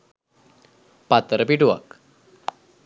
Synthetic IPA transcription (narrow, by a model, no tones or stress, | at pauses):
pat̪ɾəpiʈua̰k